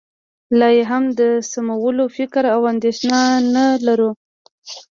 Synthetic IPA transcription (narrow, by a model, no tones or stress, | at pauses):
lɑjeɦamd̪əsamawəlofɪkɾawand̪eʃnɑnalaɾu